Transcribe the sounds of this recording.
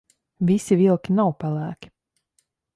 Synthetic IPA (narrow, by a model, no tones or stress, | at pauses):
visivilˠkʲinawpalˠæːkʲi̥